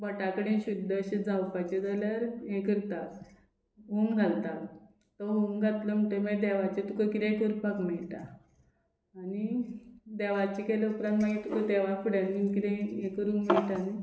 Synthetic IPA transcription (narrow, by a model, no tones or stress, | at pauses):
bəʈakəɽẽɕud̪ʱːəəɕed͡zawpat͡ɕed͡zaləɾɦẽkəɾt̪at | ɦuŋɡʱalt̪a | t̪ɔɦuŋɡʱat̪ləm̤əɳʈəməd̪ɛʋat͡ɕet̪ukəkiɾẽkəɾupakmɛɭʈ̪a | ni | d̪ɛʋat͡ɕikeləupɾãnt̪maɡet̪ukət̪ɛʋafuɽjanikid̪ẽẽkəɾũnmiɛɭʈ̪ani